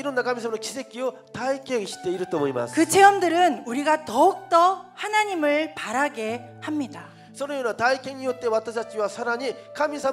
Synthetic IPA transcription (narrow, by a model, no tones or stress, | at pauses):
iɾonːakamisʰamɾokʰisʰek͈ijo | taik͈ʰeŋɕʰi̥t͈eiɾɯt͈omoɲima̰skɯt͡ɕʰe̞ʌmdɯɾɯnuɾiɡatʌuk̚t͈ʌhanaɲimɯɭpaɾaɡe̞ | hamɲida | sʰʌɾɯɲonataik͈ʰeŋiot͈ewat͈ʰasat͡ɕ͈iwasʰaɾaɲikʰamisʰa